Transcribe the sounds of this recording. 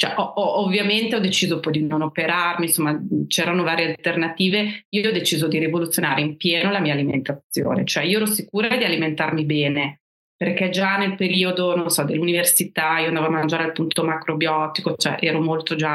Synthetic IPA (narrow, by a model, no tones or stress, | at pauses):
t͡ʃɛ̰ʔɔɔovːjament̪eɔd̪et͡ʃiːzopɔjd̪inonopeɾarminsomːat͡ʃɛːɾanovaːɾjealt̪ernat̪iːveiːoɔd̪et͡ʃiːzod̪iɾivolut̪sːjonaːɾeimpjeːnolamiːaːlimḛnt̪at̪sjo̰ːnḛt͡ʃoɛiːoɛːɾosikuːɾad̪ialiment̪armibɛːne | perk̟ɛd͡ʒanelpeɾiːod̪ononsɔd̪elːuniversit̪aioand̪avoamːand͡ʒaːɾealpunt̪omakɾobjɔt̪ikot͡ʃoɛ̰ʔɛːɾomolt̪od͡ʒa